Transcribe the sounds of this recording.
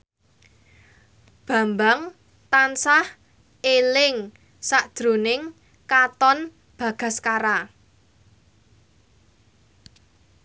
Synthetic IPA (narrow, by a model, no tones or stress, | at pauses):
b̥ä̤mbaŋ | t̪ansah | elɪŋ | saʔd̥ɾo̤nɪŋ | kat̪ɔn | b̥ä̤ɡ̥ä̤skaɾa